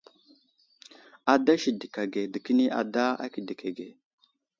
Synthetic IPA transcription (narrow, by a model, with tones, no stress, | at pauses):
a˨da˦ʃi˨di˨ka˨ɡe˨di˨ki˦ni˦ʔa̰˨da˦a̰˦ki˨di˨kʰa˨ɡe˨